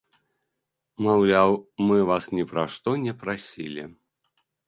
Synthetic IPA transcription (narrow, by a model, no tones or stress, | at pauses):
mawlʲawmɨvasnʲɛpɾaʂt̪ɔnʲɛpɾasʲilʲḭ